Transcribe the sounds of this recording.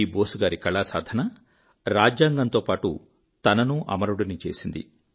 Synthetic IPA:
iːboːsuɡaːɾikɐɭaːsa̰ːd̪ʱɐnɐ | ɾaːd͡ʒjaːŋɡɐnt̪o̞ːpaːʈu | t̪ɐnɐnuʔɐ̰mɐɾuɽinit͡ʃe̞ːsind̪ḭ

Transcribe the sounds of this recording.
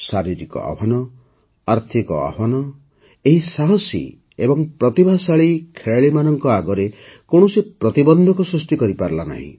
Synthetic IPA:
saɾiɾikɔ̰a̰bʱanɔ | aɾt̪ʰikɔa̰banɔ | eɦisaɦɔsḭ | ebɔŋpɾɔt̪ibʱasaɭikʰeɭaɭimanɔŋkɔaɡɔɾekoɳ̃usepɾɔt̪ibɔnd̪ʱɔkɔsɾusʈikɔɾipaɾlana̰ɦḭ̃

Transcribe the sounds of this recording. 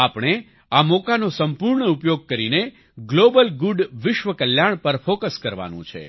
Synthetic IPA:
apɳ̃e | amɔkanosəmpuɾɳəupjoɡ̚kəɾine | ɡlobəlɡuɖʋɪʃʋəkəljaɳpəɾfokəskəɾʋa̰nṵ̃t͡ʃʰḛ

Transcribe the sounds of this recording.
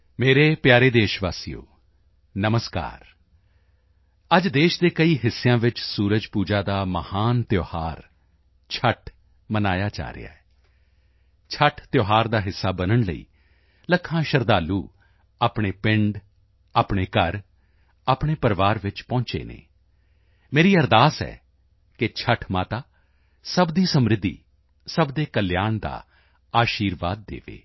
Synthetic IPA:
meːɾeːpjaːɾeːd̪eːʃʋaːsijo̰ː | nəməska̰ːɾ | əd͡ʒd̪eːʃd̪eːkəiːɦɪsːejãːʋɪt͡ʃsuːɾəd͡ʒpuːd͡ʒaːd̪aːməhaːnt̪joːhaːɾ | t͡ʃʰəʈʰ | mənaːjaːt͡ʃa̰ːɾɪ̰ja̰ːɛː | t͡ʃʰəʈʰt̪joːɦaːɾd̪aːɦɪsːaːbənəɳləḭː | ləkʰãːʃəɾd̪aːluː | aːpɳeːpɪ̃ɳɖ | aːpɳeːkəɾ | aːpɳ̃eːpəɾʋaːɾʋɪt͡ʃpɔ̃ːt͡ʃḛːnḛː | meːɾiːəɾd̪aːsɛ̰ː | kɪt͡ʃʰəʈʰmaːt̪aː | səbd̪iːsəmɾɪd̪ːḭː | səbd̪eːkəljaːnd̪a̰ː | aːʃiːɾʋa̰ːd̪̚ːḛːʋḛː

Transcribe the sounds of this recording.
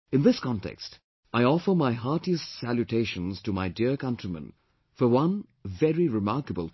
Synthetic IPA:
ɨ̃nðɪskʰɑ̃ntɛ̰kst | aɪɔfə˞maɪɦaɹtiɨstsæljutʰeɪʃə̃nz̥təmaɪdiəɹkʌ̃ntɹ̥imə̰̃n | fə˞wʌ̃n | vɛɹiɹɪmɑɹkəbəlˠ

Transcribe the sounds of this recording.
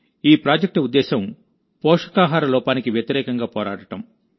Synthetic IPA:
iːpɾaːd͡ʒɐk̚ʈɐud̪ːɛːsɐm | pɔːʂɐ̥kaːɦaːɾɐlɔːpaːnikiʋjɐt̪iɾɛːkɐŋɡaːpɔːɾa̰ːɽɐʈɐm

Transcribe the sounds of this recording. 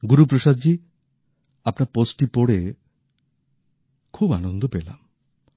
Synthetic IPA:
ɡuɾupɾoʃad̪̚d͡ʑi | apnaɾposʈipoɽe | kʰubanond̪ʱopela̰m

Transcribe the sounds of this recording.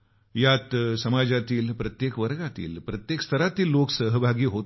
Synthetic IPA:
jat̪sɐmad͡ʒat̪iːlpɾət̪jeːkʋəɾɡat̪ḭːlpɾɐt̪jekst̪ʰəɾat̪iːlːoksəɦəbʱaɡiːɦo

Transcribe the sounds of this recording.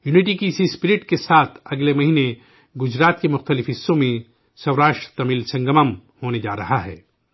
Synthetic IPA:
juːnɪʈ̬ikisispɪɾɪʈkesaːt̪ʰɐɡlemɐɦiːne | ɡʊd͡ʒɾaːt̪kemʊxt̪əlɪfɦɪsːõmẽ | sɐwɾaːʃʈɾət̪ɐmiːlsɐ̃ŋɡəməmhoːned͡ʒa̰ːɾɐɦaɦɛ̰ː

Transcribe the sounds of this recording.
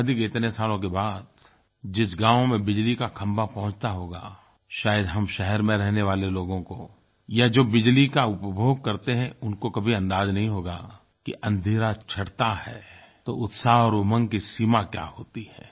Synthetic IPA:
d̪ɪkɪt̪nesaːlõk̬ebaːd̪ | d͡ʒɪsɡãːʋmẽbɪd͡ʒlikakʰɐ̃mbapɐɦʊ̃t͡ʃt̪aɦoːɡa̰ː | ʃaːjəd̪ɦɐmʃɛɦɛɾmẽɾɛɦneʋaːleloːɡõko | jad͡ʒoːbɪd͡ʒlikaʊpbʱoːɡ̚kɐɾt̪eɦɛ̃ʊnkokɐbʱiɐ̃nd̪aːznɐɦĩɦoːɡaː | kiʔɐ̃nd̪ʱiːɾat͡ʃʰɐɽt̪ahɛː | t̪oʊt̪saːɦɔːɾʊmə̃ŋkisiːmakja̰ːhoːt̪iɦɛ̰̃ː

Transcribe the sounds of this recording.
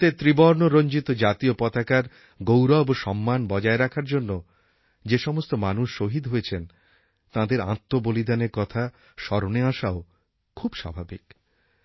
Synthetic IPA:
t̪et̪ɾibɔɾnoɾoɲd͡ʑit̪od͡ʑat̪iopɔt̪akaɾ | ɡowɾɔboʃɔmːanbɔd͡ʑaeɾakʰaɾd͡ʑonːo | d͡ʑeʃɔmost̪omanuʃːoɦid̪ɦojet͡ɕʰen | t̪ãd̪eɾa̰t̪ːobolid̪ʱaneɾkɔt̪ʰa | ʃɔɾoneaʃao | kʰubʃa̰bʱabḭk

